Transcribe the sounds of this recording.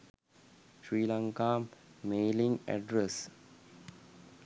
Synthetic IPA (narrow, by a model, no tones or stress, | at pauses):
ʃɾiːlãŋkaːmmeːlĩŋɡæ̰ɖɾes